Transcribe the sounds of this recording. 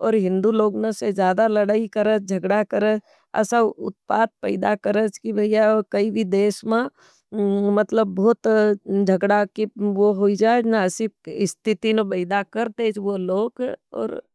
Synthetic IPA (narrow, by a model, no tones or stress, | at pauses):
ɔːɾɦɪ̃nd̪uloːɡnesed͡ʒjaːd̪alɐɽaːikɐɾət͡ʃd͡ʒʱɐɡɽakɐɾət͡ʃ | ɛ̰saʊt̪̚paːt̪̚pə̰ɪd̪akɐɾət͡ʃkibjakɐibʱid̪eːʃmẽ | mɐt̪ləbːt̪d͡ʒʱɐɡɽakiʋoɦoid͡ʒaːed͡ʒnasiɪst̪ʰɪt̪inepɐɪd̪akɐɾt̪eːt͡ʃʰʋoloːɡɔ̰ːɾ